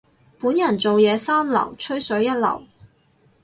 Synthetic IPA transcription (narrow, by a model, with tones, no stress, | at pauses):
puː˨˥njɐ˨˩nt͡so˨wjɛː˨˧saː˥mlɐ̰˨˩wt͡ʃʰɵ˥ɥsɵ˨˥ɥjɐ˥t̚lɐ̰˨˩w